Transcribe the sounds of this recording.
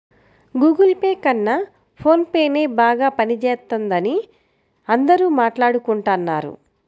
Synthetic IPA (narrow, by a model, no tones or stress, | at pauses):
ɡuːɡɐlpeːkɐnːa | pʰo̞ːnpeːne̞ːbaːɡaːpɐnit͡ʃɛːt̪ɐnd̪ɐni | ɐnd̪ɐɾuːmaːʈlaːɽukuɳʈaːnːaːɾṵ